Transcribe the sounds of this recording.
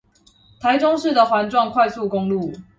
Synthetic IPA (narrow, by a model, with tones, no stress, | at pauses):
t̪ʰa˨˦ɪʈ͡ʂʊ˥ŋʂɻ̩˥˩d̪ə˨˩xwa˧˥nʈ͡ʂwɑ˥˧ŋkʰwa˥˧ɪsu˥˨kʊ˥ŋlu˥˨